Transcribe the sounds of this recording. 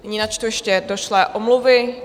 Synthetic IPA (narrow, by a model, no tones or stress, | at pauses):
nɪɲiːnat͡ʃt̪ojɛʃcɛdoʃlɛːʔomluvɪ